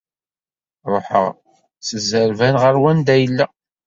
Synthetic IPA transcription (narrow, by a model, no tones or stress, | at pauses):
ɾˤo̰ħə̰ʁ | səzəɾvænʁəɾwænd̪æjəlːæ